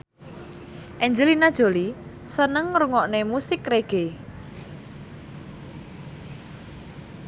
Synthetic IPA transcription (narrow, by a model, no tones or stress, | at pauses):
ʔɛɲd͡ʒəlinad̥ʒ̥o̤li | sənəŋɾuŋɔʔnemusɪkreɡ̥e